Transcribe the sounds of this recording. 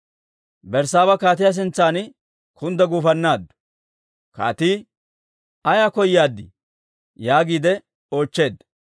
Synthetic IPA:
bɛɾsaːβɐkaːt̪̬ɪjas̬ɪnt͡sːaːn | kʰʊnd̪ɐɡuːfɐnːaːd̪ːʊ̥ | ka̰ːt̪iː | ɐjaːkɔjjaːd̪ːɪ̰ | jaːɡiːd̪ɛ | o̞ːt͡ʃːe̞ːd̪

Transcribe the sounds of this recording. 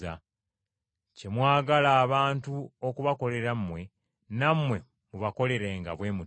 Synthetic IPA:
a | ce̞mwaːɡalaːβaːntuokuβako̞le̞ɾammwe̞ | namwe̞ | muβako̞le̞ɾeːŋɡa̰βwe̞ːmu

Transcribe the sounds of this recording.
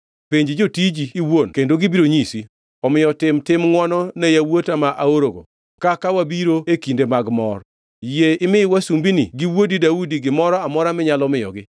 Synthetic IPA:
peɲd͡ʒd͡ʒotid͡ʒiːwonkendoɡibiɾoɲisi | ɔmɪjɔtɪmtɪmŋwɔnɔnejawotamaʔaoɾoɡo̰ | kakawabiɾoekindemaɡmɔ̰r | jeɪmɪwasumbiniɡiwodidaudiɡɪmɔɾɔamɔɾamɪɲalɔmɪjɔ̰ɡɪ

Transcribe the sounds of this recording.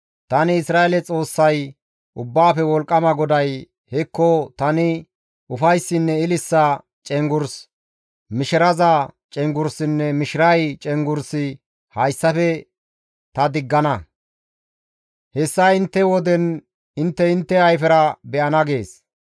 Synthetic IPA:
t̪ɐnɪɪsɾaːelɛt͡sʼo̞ːsːɐj | ʔʊbːaːfɛwɔlkʼːɐmɐɡɔd̪ɐj | hɛkːɔt̪ɐnɪ | ʊfɐjsːɪnːɛɪlɪsːɐ | t͡ʃʼɛŋɡʊɾs | mɪʃɪɾɐzɐt͡ʃʼɛŋɡʊɾsɪnːɛmɪʃɪɾɐjt͡ʃʼɛŋɡʊɾsɪ | hɐjsːɐfɛ | t̪ɐd̪ɪɡːɐnɐ | hɛsːɐɪnt̪ːɛwɔd̪ɛn | ɪnt̪ːɛɪnt̪ːɛɐjfɛɾɐbɛʔɐnɐɡe̞ːs

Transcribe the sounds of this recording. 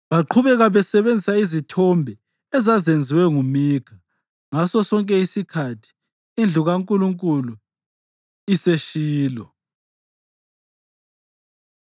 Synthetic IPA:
βaǃʰuβɛɣaβɛsɛβend͡zʱisaizitʰɔmbʱɛ | ɛzazend͡zʱiwɛŋumiːkʰa | ŋasɔsɔŋkʼɛisikʰatʰi̥ | ind͡ɮʱuɣaŋkʼuluŋkʼulu | iseʃiːlɔ

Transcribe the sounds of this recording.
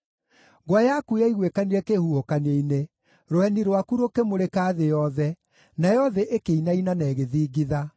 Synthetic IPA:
ɡwajakuaiɣwekaniɾɛkehuhokaneine | ɾoɛniɾwakuɾokemoɾekaːðejɔðɛ | najɔðɛʔekeinainanɛːɣeðiːɡiða

